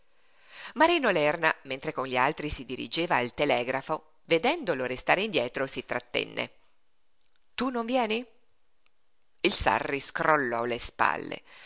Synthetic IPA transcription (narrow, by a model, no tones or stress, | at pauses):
maɾiːnolɛrnament̪ɾekonʎialt̪ɾisid̪iɾḭd͡ʒeːvaːlt̪elɛːɡɾafo | ved̪ɛnd̪oloɾest̪aːɾeind̪jɛːt̪ɾosit̪ɾat̪ːḛnːḛ | t̪unoɱvjɛːni | ilsa̰rːiskɾolːɔlespa̰lːḛ